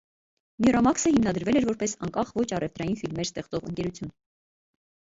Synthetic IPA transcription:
mɛɾɑmɑksəhimnɑd̪əɾvɛlɛɾvɔɾpɛsɑŋkɑχvɔt͡ʃʰɑrɛft̪ɾɑjinfilmɛɾst̪ɛχt͡sɔʁə̰ŋkɛɾut͡sʰjun

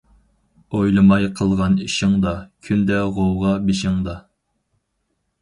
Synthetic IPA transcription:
ojlˠɨmɑjqʰəlˠʁɑniʃɪŋd̪ɑkʲʰynd̪ɛʁowʁɑbɪʃɪŋd̪ɑ

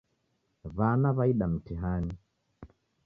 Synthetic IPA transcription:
βanaβaiɗam̩tiɦani

